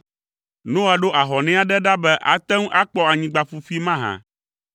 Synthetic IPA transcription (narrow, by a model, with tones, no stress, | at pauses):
nõ˦a˨ɖo˦ʔa˨ɦɔ˨nɛ̃˦a˦ɖɛ˦ɖa˦bɛ˦ʔa̰˨t̪ɛ̃˦ŋ˦ʔa˦k͡pɔ˦a˨ɲĩ˦ɡ͡ba˨fu˨fi˦mã˦ɦã̰˨